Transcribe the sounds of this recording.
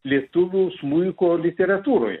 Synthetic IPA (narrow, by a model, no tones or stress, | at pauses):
lʲiɛt̪ʊʋʲuːsmʊɪkoːlʲɪt̪ʲɛɾɐt̪uːɾo̰ːjɛ̰